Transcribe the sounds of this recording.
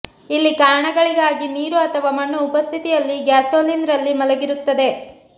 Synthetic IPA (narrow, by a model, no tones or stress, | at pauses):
ilːikaːɾɳɐɡɐɭiɡaːɡiniːɾuɐt̪ʰɐʋaːmɐɳːuːpɐst̪ʰit̪ijɐlːiɡjaːsoːlinɾɐlːimɐlɐɡiɾut̪ːɐd̪e̞